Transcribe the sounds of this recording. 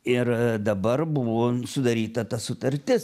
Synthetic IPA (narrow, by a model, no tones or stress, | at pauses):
ɪɾd̪ɐbɐɾbʊʋoːsʊd̪ɐɾʲiːt̪ɐt̪ɐsʊt̪ɐɾʲt̪ʲɪs